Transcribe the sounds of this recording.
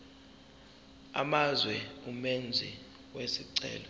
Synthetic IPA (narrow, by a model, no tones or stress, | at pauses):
a̰mazwɛumɛnd͡zʱi | wesiǀɛ̰ːlɔ